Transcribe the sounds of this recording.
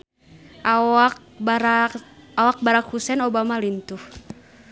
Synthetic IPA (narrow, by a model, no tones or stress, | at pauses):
ʔaak | awak̚baɾakhusɛnɔbamalint̪uh